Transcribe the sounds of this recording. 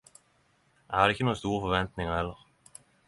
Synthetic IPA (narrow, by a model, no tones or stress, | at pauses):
æhɑd̪ɪçːənuːəst̪uːɾəfɔɾʋɛnt̪nɪŋəhɛlːəʁ